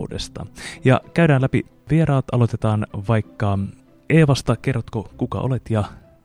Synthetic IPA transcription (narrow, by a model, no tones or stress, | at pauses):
dḛst̪ɑ̰jɑ̰kæydæːnlæpḭ | ʋieɾɑːt̪ɑlo̞t̪et̪ɑːnʋɑikːɑ | eːʋɑst̪ɑkerːot̪kokukɑ̰ʔo̰let̪jɑ